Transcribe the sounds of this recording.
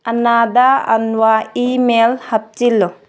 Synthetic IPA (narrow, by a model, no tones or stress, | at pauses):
ɐnad̪aɐ̰nwaimelhɐp̚t͡ʃilːo